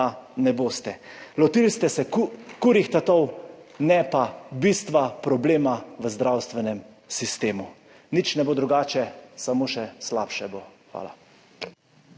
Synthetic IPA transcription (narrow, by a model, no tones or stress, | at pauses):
anɛboːst̪ɛlɔt̪ilst̪ɛsɛkkuɾixt̪at̪ɔwnɛpabist̪ʋapɾɔbleːmaʋəzd̪ɾawst̪ʋɛnɛm | sist̪eːmu | nit͡ʃnɛboːd̪ɾuɡaːt͡ʃɛsamoʃɛslaːpʃɛboxʋa̰ːla̰